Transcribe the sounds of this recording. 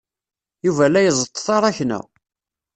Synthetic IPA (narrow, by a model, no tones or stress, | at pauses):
juvælæjəzˤət̪ˤːθɑɾˤɑçnæ̰